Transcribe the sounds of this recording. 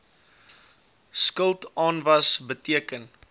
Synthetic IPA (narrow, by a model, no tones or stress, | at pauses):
skəlˠtɑːnvɐsbətiəkən